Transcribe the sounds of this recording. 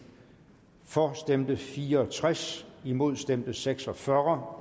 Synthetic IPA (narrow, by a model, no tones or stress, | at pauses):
fɒsd̥em̰d̥əfiːɐɒt͡sʰʁasimo̝ð̞̰ˠsd̥emd̥əseɡ̥sɒ̽fɶʁɐ